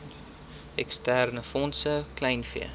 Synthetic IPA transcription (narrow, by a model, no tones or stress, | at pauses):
ɛkstærnəfɔnsəklɛjnfḭə